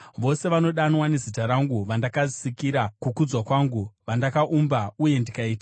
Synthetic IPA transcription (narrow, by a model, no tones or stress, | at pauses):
ʋo̞se̞ʋano̞ɗanwanezitaɾaŋɡuʋandakasikiɾakukud͡zwakwaːŋɡuʋandakaʔumbauje̞ndikaiːta